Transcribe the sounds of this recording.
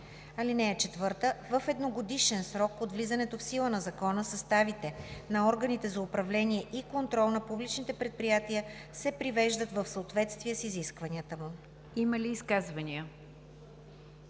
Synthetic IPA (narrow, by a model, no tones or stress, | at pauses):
ɐlinɛɛt͡ʃɛt̪vɤɾt̪əvəfɛd̪noɡod̪iʃɛnsɾɔkot̪vlizənɛt̪ofsilˠənɐzɐkɔnəsɐst̪avit̪ɛnɐɔɾɡənit̪ɛzɐʊpɾɐvlɛniɛʔikont̪ɾɔlˠnɐpublit͡ʃnit̪ɛpɾɛt̪̚pɾijat̪iəsɛpɾivɛʒd̪ət̪vəfsəot̪vɛt̪st̪viɛsiziskvɐniət̪əmu | iməliːskazvɐniə